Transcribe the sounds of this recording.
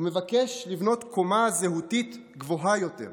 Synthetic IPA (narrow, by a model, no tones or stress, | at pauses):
umevakeʃlivno̞tkomazeɦutit | ɡvo̞ɦajo̞te̞̰ʁ